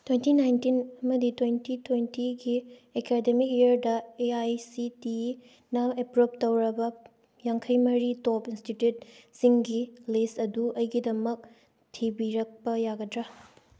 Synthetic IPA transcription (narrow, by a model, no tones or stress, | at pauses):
twentinajntinɐmɐditwejntitʰwentiɡiekʰedemik̚eɐɾdɐeajsiti | nɐepɾop̚tɐwɾɐbɐ | jaŋkʰɐjmɐɾitopinstitjut̚siŋɡilesɐduʔɐjɡidɐmɐk̚ | tʰibiɾɐk̚pɐjaɡɐdɾa